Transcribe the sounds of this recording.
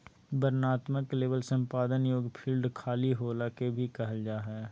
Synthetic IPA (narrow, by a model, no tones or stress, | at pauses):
bəɾnaːt̪məkleːbəlsə̃mpaːd̪ənjoːɡpʰiːlɖkʰaːliɦoːlakebʱikəɦəld͡ʒaːɦɛː